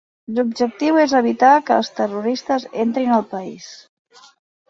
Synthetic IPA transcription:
lub̚ʒək̚t̪iwezəβ̞it̪akəːlˠst̪əruɾist̪əzent̪ɾinəlˠpəis

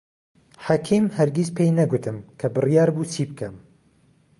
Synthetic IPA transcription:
ħakʰiːmhɐɾɡizpʰejnɐɡʊt̪ʰɨmkʰɐbɨrjɑːɾbuːt͡sʰiːbkʰɐm

